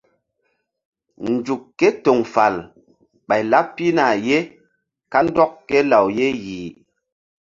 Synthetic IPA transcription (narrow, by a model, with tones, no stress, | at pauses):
n̩˨d͡ʒu˨kkːɛ˦to˨ŋfa˨l | ɓa˨jla˦ppːi˦na˨je˦ | ka˦n̩˦dɔ˦kːkːɛ˦la˨wje˦jiː˨